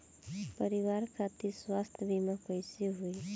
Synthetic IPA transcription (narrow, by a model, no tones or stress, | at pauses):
pəɾiwaɾkʰat̪iswast̪ʰjəbʱimakəjsiɦuj